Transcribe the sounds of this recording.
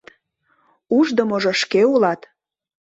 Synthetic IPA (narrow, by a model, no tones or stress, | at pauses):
t̪ | uʒd̪əmoʒoʃkeulɑt̪